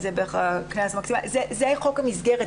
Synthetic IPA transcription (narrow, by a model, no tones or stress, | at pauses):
zebeχaknasmaksimazezeaχo̞khamizɡeʁe